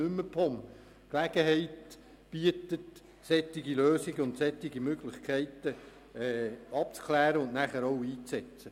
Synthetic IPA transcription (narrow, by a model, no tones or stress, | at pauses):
ʏmːəpʰɔm | klæɡ̥əɦɛɪt | b̥iətət̪ | sɛtːɪɡiløːsɪɡəʊntsɛt̪ːɪɡimøɡlɪχkʰɛɪtə | ɛːɑp̚t͡skʰlæːɾəʊnnæχəɾɔwiːt͡sɛt͡sə